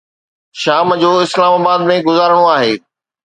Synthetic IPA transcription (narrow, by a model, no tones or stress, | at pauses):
ʃaːmd͡ʑoːɪslaːmaːbaːd̪mẽɡʊzaːɾəɽ̃oaːɦeː